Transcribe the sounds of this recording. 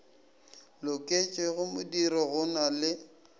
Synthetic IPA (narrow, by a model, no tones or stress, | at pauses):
lʊkʼet͡ʃʼɛɣʊmʊdiɾɔɣʊnalɪ